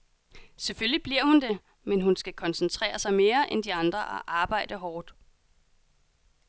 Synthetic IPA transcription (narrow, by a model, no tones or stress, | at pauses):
seføllib̥liɐ̰hund̥e̝ | menɦunsɡ̥ækʰɒ̽nsən̩t͡sʰʁɛ̰ːɐsɑ̈ɪme̝ːɐʔend̥iɑ̈nd̥ʁɐʔæʔɑ̈ːb̥ɑ̈ɪ̰d̥əɦɒːd̥